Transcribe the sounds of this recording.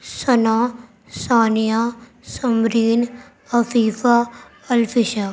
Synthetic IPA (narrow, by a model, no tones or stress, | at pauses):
sɐnaː | saːnijaː | səmɾiːn | ɐfiːfa | ɐlpʰɪʃa